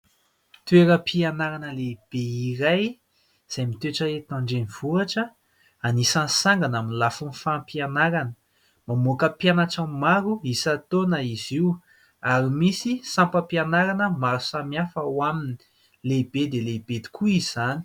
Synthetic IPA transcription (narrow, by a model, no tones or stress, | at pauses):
t̪ueɾəpʰianaɾanəleb̥eiɾaj | z̥ajmit̪eʈ͡ʂəet̪ãɳɖ͡ʐeniv̥uaʈ͡ʂə | anisansaŋɡanaminilafunifaampianaɾanə | mamokəpjanaʈ͡ʂamaɾuisat̪onəiziw | aɾimisisãmpəpianaɾanəmaɾusamjafəwamini̥ | leb̥ed̪eleb̥ed̪i̥kʰuizizani̥